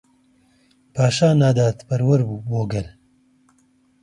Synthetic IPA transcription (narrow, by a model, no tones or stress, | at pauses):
paːʃaːnaːd̪aːt̪pɐɾwɐɾbuːboːɡɐl